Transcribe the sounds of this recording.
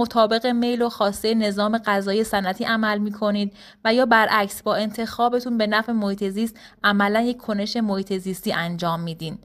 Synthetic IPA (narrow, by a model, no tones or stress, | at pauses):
mo̞t̪ʰɒːbe̞ɣeme̞jloxɒːst̪ejene̞zɒːme̞ɢæzɒːjesænʔæt̪ʰiːʔæmælmiːkʰo̞niːd̪̚ | væjɒːbæɾʔæcsbɒːe̞nt̪ʰe̞xɒːbe̞t̪ʰunbe̞næfemohiːt̪ʰe̞ziːst̪ | ʔæmælænje̞ckʲʰːo̞ne̞ʃe̞mohiːt̪ʰe̞ziːst̪iːʔænd͡ʒɒːmːiːd̪iːn